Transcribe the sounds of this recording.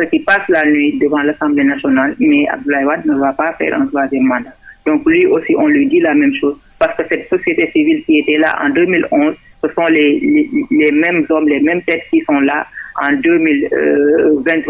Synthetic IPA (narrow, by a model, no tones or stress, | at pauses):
səkipaslanɥid̪əvɑ̃lasɑ̃blenasjɔnalmɛa̰b̚d̪ulajwad̪̚nəvapafɛ̰ːɾʔɛ̰̃t̪wazjɛmːɑ̃d̪ad̪̥ɔ̃klɥiʔosiʔɔ̃lɥid̪ilamɛ̃mʃoːz | paɾskəsɛt̪sosijet̪esivilkiet̪ɛla̰ʔɑ̰̃d̪ømilɔ̃ːzsəsɔ̃lɛlelɛmɛ̃mzɔmlemɛ̃mt̪ɛt̪kisɔ̃laɑ̃d̪ømil̰ | vɛ̃nt̪ːw